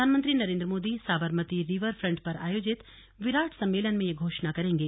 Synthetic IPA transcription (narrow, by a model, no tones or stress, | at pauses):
aːnmə̃nt̪ɾinɐɾẽːnd̪ɾəmoːd̪isaːbəɾmət̪iɾɪʋəɾfʰɾɐ̃ɳʈpɐɾa̰ːjoːd͡ʒɪt̪ | ʋɪɾaːʈʰsɐ̃mːeːlənmẽjeɡʱoːʃnakɐɾẽːŋɡeː